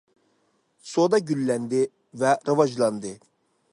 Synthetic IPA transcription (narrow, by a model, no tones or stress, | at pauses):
sod̪ɑɟylːænd̪ɪ | vɛɾɯvɑd͡ʒlˠɑnd̪ɯ